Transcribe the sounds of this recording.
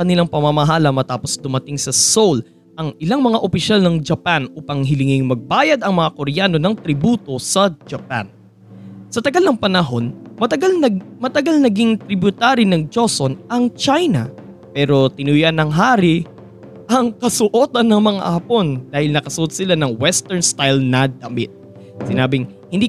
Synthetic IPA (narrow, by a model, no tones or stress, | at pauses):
kɐnɪlaŋpɐmɐmɐɦaːlɐmɐt̪aːpo̞sd̪ʊmɐt̪ɪŋsɐsol | ʔɐŋɪlaŋmɐŋaʔopɪʃalnɐŋd͡ʒɐpanuːpɐŋɦɪlɪŋɪŋmɐɡ̚baːjɐd̪ɐŋmɐŋakoɾjano̞nɐŋt̪ɾɪbuːt̪o̞sɐd͡ʒɐpa̰n | sɐt̪ɐɡalnɐŋpɐnɐɦo̞nmɐt̪ɐɡalnɐmɐt̪ɐɡalnɐɡiŋt̪ɾɪbjʊt̪aːɾinɐŋd͡ʒo̞sonʔɐŋt͡ʃajnɐ̰ | pɛːɾo̞t̪ɪnujanɐŋɦaːɾɪ | ʔɐŋkɐsʊʔot̪ɐnːɐŋmɐŋa̰ʔɐpo̞nd̪aːhɪlnɐkɐsʊʔot̪̚sɪlanɐŋwɛst̪ɛɹnst̪ajlnɐd̪ɐmɪ̰t̪̚ | sɪnaːbɪŋ | hɪnd̪i